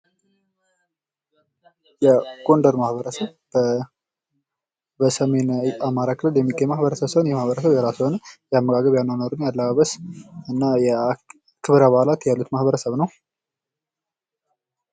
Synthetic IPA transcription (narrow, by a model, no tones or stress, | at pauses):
jɛɡ̥ʼo̞ndəɾmahbəɾəsəβ | bəsəme̞namaɾakʰɨlət̪jɛmːikʼemahbəɾəsəβsəβnjɛmahβəɾəsəβjɛɾasonəjɛamːəɡʼaɡəβjalnːəwnoɾunjalːaβaβəsɨnːajɛ | kʰɨβɾaβaalat̪jalːut̪mahbəɾəsəβnəw